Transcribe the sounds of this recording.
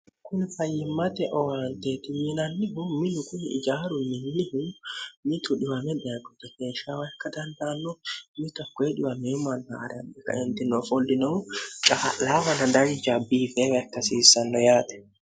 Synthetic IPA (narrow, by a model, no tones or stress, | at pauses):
kʊnɪfɐjːɪmːɐt̪ɛʔɔwaːnt̪eːt̪ɪmɪnɐnːɪɦʊmɪnʊkʊnɪɪ̰d͡ʒaːɾʊmɪnːɪhʊmɪt̪ʊᶑɪwɐmɛd̪ɛaɡɔt̪ːɛkeːʃawɐɛkːɐd̪ɐnd̪aːnːɔmɪkɐkːɔɛᶑɪwɐmeːmɐnːha̰ːɾnːɛkːɐ̰ɛnt̪ɪnːɔfɔlːɪnɔt͡ʃʼalafɐnɐd̪ɐɾɪd͡ʒɐbiːfeːwɐɛkːɐsiːsːɐnːɔjaːt̪ɛ̥